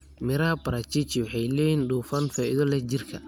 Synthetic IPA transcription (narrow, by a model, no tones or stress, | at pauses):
mɪɾɐhɐbɐɾat͡ʃit͡ʃɪwɑħɑjlɛːjinɖuːfɐnfaʔɪðɔlɛd͡ʒɪrkʰɐ